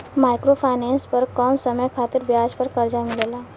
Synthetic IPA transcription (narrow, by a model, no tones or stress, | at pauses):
majkɾofʰajnenspəɾkəmsəməjkʰat̪iːɾbjad͡zpəɾkəɾd͡zamiɭela